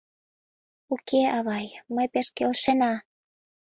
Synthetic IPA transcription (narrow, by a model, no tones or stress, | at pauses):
ukeɑβɑjməjpeʃkelʃenɑ